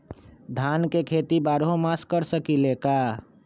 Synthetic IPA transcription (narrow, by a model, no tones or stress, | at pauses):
d̪ʱankekʰet̪ibaɾɦomaskəɾsəkileka